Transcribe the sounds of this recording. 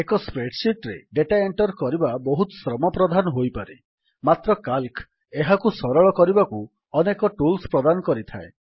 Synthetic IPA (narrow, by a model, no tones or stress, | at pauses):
ekɔspɾeɖsiʈɾeɖeʈaeɳʈɔɾkɔɾibabɔɦut̪ɔ̥sɾɔmɔpɾɔd̪ʱanɔɦojpaɾe | mat̪ɾɔkalkʰ | eɦakusɔɾɔɭɔkɔɾibaku | ɔnekɔʈulspɾɔd̪anɔkɔɾit̪ʰae